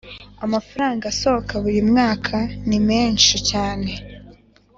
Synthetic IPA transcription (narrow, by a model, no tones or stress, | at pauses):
amafaɾaːŋɡasookʰaβujimŋaːkʰanimeːnʃicaːne̞